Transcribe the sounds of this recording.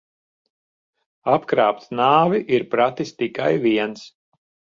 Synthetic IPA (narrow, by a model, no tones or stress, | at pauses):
apkɾaːpt̪naːviʔiɾpɾat̪ist̪ikajviɛns